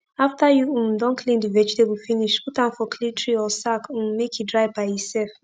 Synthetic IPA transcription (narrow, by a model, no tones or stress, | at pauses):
aftajuũm̩dɔ̃nkʰlĩndivɛd͡ʒtebufiniʃputãnfɔkʰlĩtʰɹiɔsakũm̩mekjudɹaɪvbaɪisɛlf